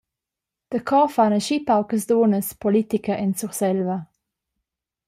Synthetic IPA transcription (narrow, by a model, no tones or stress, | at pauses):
d̪̥əkʰɔfanəʃipawkəsd̪oːnəspɔlit̪ikəʔɛnsuʁsɛlvə